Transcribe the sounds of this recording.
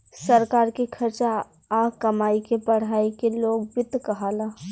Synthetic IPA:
səɾkaːɾkekʰɐɾt͡ʃa | aːkɐmaːikepəɽ̤aːikeloːɡbɪt̪ːkɐɦaːla

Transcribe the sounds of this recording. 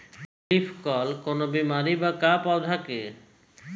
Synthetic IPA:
ɡifʰkɔlkonobimaɾibakapɔd̪ʱake

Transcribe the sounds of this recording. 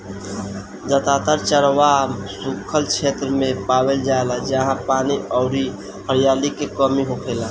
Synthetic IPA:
d͡ʒət̪aːt̪əɾt͡ʃəɾʋamsukʰːəlkʰeːt̪ɾəmẽpaːweld͡ʒaːelad͡ʒəɦãpaːniʔɔʊɾi | həɾjaːlikekɔmiɦokʰeːla

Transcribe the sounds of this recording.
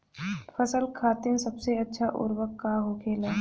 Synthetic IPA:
fʰəsəlkʰaːt̪ɪnsɐbseɐtːʃʰaʔʊ̰ɾwəkːaɦokʰeːlaː

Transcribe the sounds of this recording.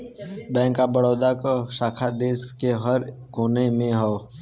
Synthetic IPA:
bɛ̃ːŋkabəɽoːd̪akaʃaːkʰad̪eːskeɦəɾ | koːnemẽɦoː

